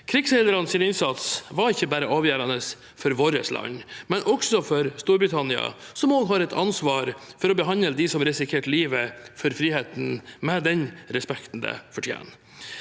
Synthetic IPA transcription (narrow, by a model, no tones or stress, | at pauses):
kʰɾɪɡsɛləɾɑnsiːnɪnsɑt̪sʋɑɾɪçːəbæːɾəʔɑːʋjæːɾɑnəs | fɔɾʋoːɾə̰slʔɑ̰ɲmɛnʔɔksɔfɔɾst̪uːɾbɾɪt̪ʰɑnɪɑ̰sɔmoːɡɦɑɾɛt̪ʰɑ̰nsʋɑːɾfɔɾɔbəɦɑnəld̪ɪsɔmɾɪsɪkʰeːʈliːʋəfɔɾfɾiːheːt̪n̩mɛd̪ɛnɾɛspɛkt̪n̩d̪ə̰fɔʈʰjḛːn